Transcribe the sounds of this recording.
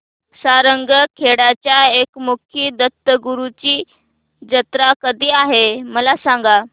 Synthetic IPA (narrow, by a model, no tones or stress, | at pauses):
saɾəŋɡəkʰeɽat͡ɕjaekmukʰiːd̪ət̪ːəɡuɾut͡ɕiː | d͡ʑət̪ɾakəd̪ʱiːaɦeməlasãŋɡa